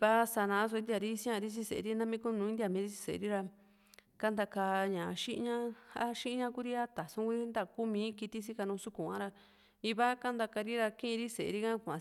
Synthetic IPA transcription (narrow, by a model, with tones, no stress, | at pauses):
βa˦sa˧nã˧˦s̬õ˧˦nd̪ja˧ɾi˦sĩ˦ã˧ɾi˦t͡ʃ̬i˦sḛ˨˧ɾi˦nã˦mĩ˦ku˦˧nũ˧˦ĩ˦d̪i˧a˧˨mĩ˨˦ɾi˦t͡ʃi̥˧sḛ˨˧ɾi˦ɾa˧ | ka˦nd̪a˧ka˧ɲã˨˧ʃĩ˦ʔɲã˦ha˦ʃĩ˦˧ɲã˧ku˦ɾi˦a˦t̪a˨sũ˦ku˧˦i˦nd̪a˧ku˦mĩː˨˧˦ki˧t̪i˦s̬i˦ka˧nũ˧su˦ku˨ã̰˦ɾa˧ | i˧βa˦ka˦nd̪a˧ka˧ɾi˦ɾa˧kĩ˦ĩ˧ɾi˦se˨˧ɾi˦kã˦kʷã˨˧